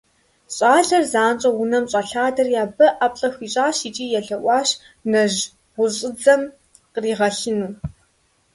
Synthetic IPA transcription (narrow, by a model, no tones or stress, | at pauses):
ɕʼaːɮɐrzaːnt͡ʃʼɐwʊnɐmɕʼɐɬaːdɐrjaːbɐʔapʼɬʼɐxiːɕʼaːɕiːt͡ʃʼiːjɛɮɐʔʷɑːɕ | nɐʒ | ʁʷʊɕʼɪd͡zɐm | qəriːʁɐɬɪnuː